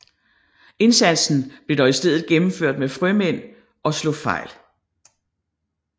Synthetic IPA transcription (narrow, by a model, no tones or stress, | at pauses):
e̝nsæn̰sn̩b̥le̝d̥ɒisd̥eð̰ˠð̩ˠɡ̥emm̩føɐ̰d̥mefʁœmen̰ | ʔɒ̽slɔfɑ̈ɪ̰l